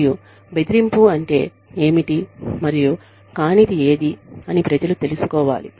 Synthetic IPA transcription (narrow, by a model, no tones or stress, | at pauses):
ju | be̞d̪iɾimpuɐɳʈe̞ː | e̞ːmiʈimɐɾiju | kaːnid̪ie̞ːd̪iɐnipɾɐd͡ʒɐlut̪e̞lusu̥kɔːʋa̰ːlḭ